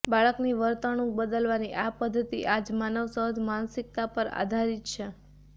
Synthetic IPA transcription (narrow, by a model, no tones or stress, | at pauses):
baɭəkniʋəɾt̪əɽ̃ũk̚bəd̪əlʋaniʔapəd̪ʱːət̪iʔad͡ʒmanəʋsəɦəd̪mansik̚t̪apəɾa̰d̪ʱaɾit̪t͡ʃʰe